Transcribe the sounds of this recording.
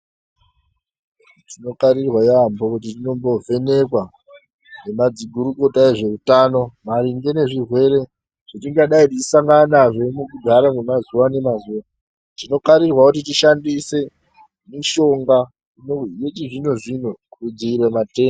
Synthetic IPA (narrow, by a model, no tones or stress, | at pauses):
tino̞kaɾirwajambokut̬itino̞mbo̞ve̞ne̞kwa | ne̞mad͡ziɡʱuɾuko̞tae̞ʐe̞rutano̞maɾiŋɡene̞ʐirwe̞ɾe̞ | ʐ̥otiŋɡaɗaitit͡ʃisaŋɡanaʐemukudʱaɾamumazuwane̞mazuwa | tino̞kaɾirwakut̬it̬iʃandise̞ | miʃo̞ŋɡa | inoje̞t͡ʃiʐinoʐin̤okurud͡ziirwamate̞ːm